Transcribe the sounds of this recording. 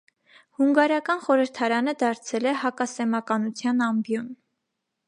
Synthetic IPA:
huŋɡɑɾɑkɑnχɔɾəɾt̪ʰɑɾɑnəd̪ɑɾt͡sʰɛlɛhɑkɑsɛmɑkɑnut͡sʰjɑnɑmbjɔn

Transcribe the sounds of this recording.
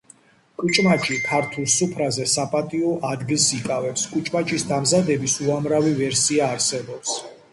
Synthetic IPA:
kʼut͡ʃʼmat͡ʃʼipʰaɾt̪ʰulˠsupʰɾazɛsapʼat̪ʼiɔʔad̪ɡilˠsikʼavɛpskʼut͡ʃʼmat͡ʃʼisd̪amzad̪ɛbisuamɾavivɛɾsiaːɾsɛbɔps

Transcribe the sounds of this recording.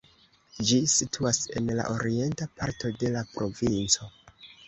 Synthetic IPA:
d͡ʒisitʰuasenla̰ʔoɾie̞ntapaɾto̞de̞lapɾo̞vint͡so̞

